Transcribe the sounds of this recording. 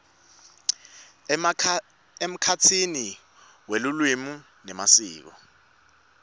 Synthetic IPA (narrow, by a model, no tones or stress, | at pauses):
em̩kʰat͡sʰini | welulwimu | nɛmasiːk̬ɔ